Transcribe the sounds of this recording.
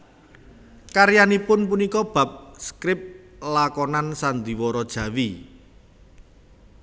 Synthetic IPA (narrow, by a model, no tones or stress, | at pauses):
kaɾijanipʊnpunikɔb̥a̤p̚skɾɪp̚ | lakɔnansand̪i̤wɔɾɔd̥ʒ̥ä̤wi